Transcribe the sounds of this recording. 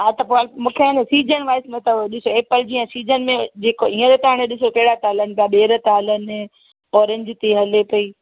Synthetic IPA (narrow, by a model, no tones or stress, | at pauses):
ɦat̪ɐpomũːkʰeãnẽsiːd͡ʑənʋaːɪsmẽt̪ɐɗɪsoeːpəld͡ʑiə̃siːd͡ʑənmẽd͡ʑeːkoiːə̃ɾot̪aːɽ̃ẽɗɪsokɐɦɪɽat̪aːlənɪ̆pijaɓeːɾət̪aːlənɪ̆ | ɔːɾẽɲd͡ʑt̪eɦɐlepɐiː